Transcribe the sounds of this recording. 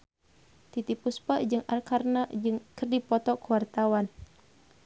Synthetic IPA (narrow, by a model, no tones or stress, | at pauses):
t̪it̪ipuspəd͡ʒɨŋʔa̰rkarnad͡ʒɨŋkərdipɔt̪ɔkuwart̪awan